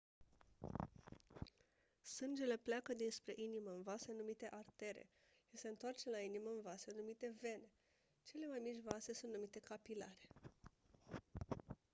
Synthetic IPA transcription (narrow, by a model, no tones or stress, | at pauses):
sɨnd͡ʒe̞le̞pleakəd̪inspɾe̞ʔiniməɨnvasenumit̪e̞ʔart̪e̞ɾḛ | ise̞ɨnt̪oart͡ʃe̞lainiməɨnvasenumit̪e̞ve̞ne̞ | t͡ʃe̞le̞majmit͡ʃʲvase̞sunt̪numit̪e̞kapila̰ɾe̞